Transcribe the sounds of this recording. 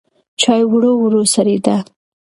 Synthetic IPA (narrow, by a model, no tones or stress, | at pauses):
t͡ʃɑjwɽowɽosaɾid̪a